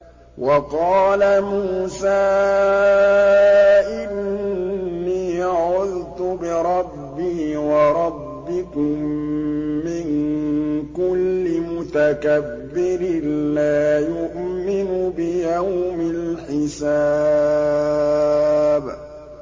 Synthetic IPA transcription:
wʔɑqɑːlamuːsaː | ʔɪnː | iːʔaʕʊðt̪ʊbɪɾˤɑbːiːwɑɾˤɑbːɪkʊmː | ɪŋ | kʊlːɪmʊt̪akabːɪɾɪnlaːjʊʔmɪnʊbɪjawmɪlħɪsa | b

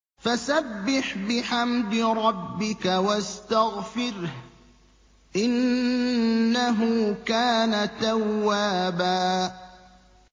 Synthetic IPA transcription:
fasabːɪħbɪħamd̪ɪɾˤɑbːɪkawast̪aɣfɪɾh | ʔɪnː | aɦʊkaːnat̪awːaːbaː

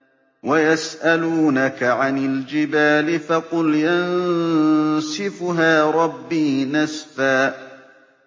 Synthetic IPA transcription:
wajasʔaluːnakaʕanɪld͡ʒɪbaːlɪfɑqʊljan | sɪfʊɦaːɾˤɑbːiːnasfaː

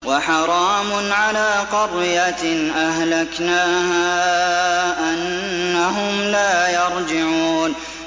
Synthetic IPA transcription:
waħɑɾˤɑːmʊʕalaːqɑrːɪjat̪ʔaɦlaknaːhaː | ʔanːaɦʊmlaːjɑɾˤd͡ʒɪʕuːn

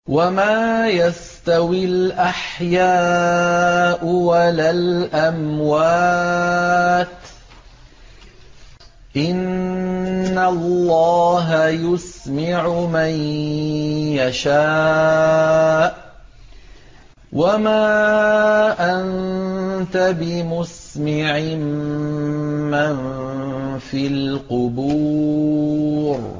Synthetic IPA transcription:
wamaːjas | t̪awɪlʔaħjaː | ʔʊwalaːlʔamwaː | t̪ | ʔɪnː | alːɑːɦajʊsmaʕʊman | jaʃaː | ʔ | wʔamaː | ʔan | t̪abɪmʊsmɪʕɪm | an | fiːlqʊbuː | ɾ

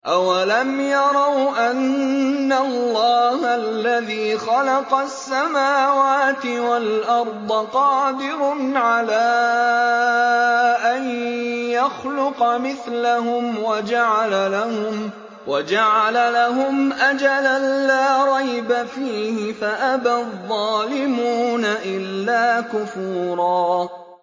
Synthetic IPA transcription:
ʔawalamjɑɾˤɑwʔanːalˤːɑːhalːaðiːxɑlɑqɑsːamaːwaːt̪ɪwalʔɑɾˤd̪ˤɑqɑːd̪ɪɾʊnʕalaː | ʔanjaxlʊqɑmɪθlaɦʊmwad͡ʒaʕalalahʊm | wad͡ʒaʕalalaɦʊmʔad͡ʒalalːaːɾˤɑjbafiːhɪfaʔabaðˤːɑːlɪmuːnaʔɪlːaːkʊfuːɾˤɑː

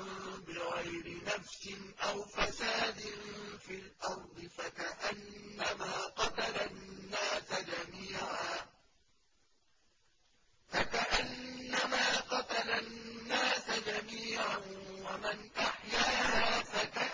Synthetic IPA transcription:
bɪɣajɾɪnafsɪnʔawfasaːd̪ɪnfilʔɑɾˤd̪ˤɨfakaʔanːamaːqɑt̪alanːaːsad͡ʒamiːʕaː | fakaʔanːamaːqɑt̪alanːaːsad͡ʒamiːʕanwamɪnʔaħjaːhaːfaka

